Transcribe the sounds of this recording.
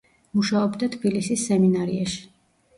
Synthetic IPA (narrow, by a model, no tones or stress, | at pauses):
muʃaɔbd̪at̪ʰbilisisːɛminaɾiaʃi̥